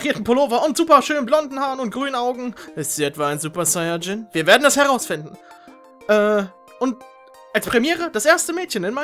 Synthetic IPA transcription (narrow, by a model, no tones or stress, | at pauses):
ʁiːɐtn̩pʰoloːvɐʔʊntz̥uːpɐʃøːnənblɔndn̩haːɐnʊntɡ̥ʁyːnənaʊɡŋ̩ʔɪstz̥iːɛtv̥aaɪnzuːpɐsaɪɐd͡ʒɪnv̥iːɐveːɐdn̩ɛshɛʁaʊsfɪndn̩ | ʔɛː | ʔʊnt̚ | ʔalspʁ̥ɛmjɛːʁəd̥asʔeːɐstəmɛːtçənɪnma